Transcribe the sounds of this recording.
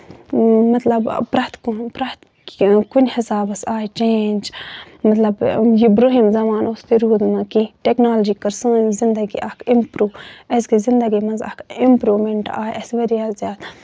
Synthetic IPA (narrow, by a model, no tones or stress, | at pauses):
mɐt̪lɐbpɾɐt̪kunpɾɐt̪ | kunʲhɪsaːbɐsaːjt͡ʃeːnʲd͡ʒ | mɐt̪lɐbjibɾoːɦimzɐmaːnost̪iɾuːd̪mɐ̃kiʈeknaːlɐd͡ʒiːkɐɾsə̃ːnzind̪ɐɡḭʔɐkʰimpɾuːɐskizɪnd̪ɐɡimɐnzɐ̰kimpɾuːmeɳʈaːjʔɐsʋɐɾijaːzʲjaːt̪